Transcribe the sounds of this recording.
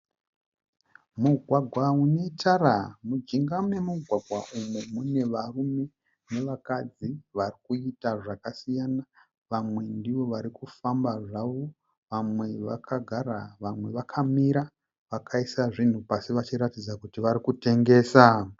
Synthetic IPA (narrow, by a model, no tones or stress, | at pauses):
muɡʱwaɡʱwaune̞taɾamud͡ʒiŋɡane̞muɡʱwaɡʱwaʔumumune̞ʋarume̞ | ne̞ʋakad͡ziʋarikuitaʐakasijana | ʋamwe̞ndiʋo̞ʋaɾikufambaʐaʋo̞ | ʋamwe̞ʋakʰaɡʱaɾaʋamwe̞ʋakʰamiɾa | ʋakʰaisaʐin̤upasiʋat͡ʃiɾatid͡zakutiʋaɾikute̞ŋɡe̞ːsa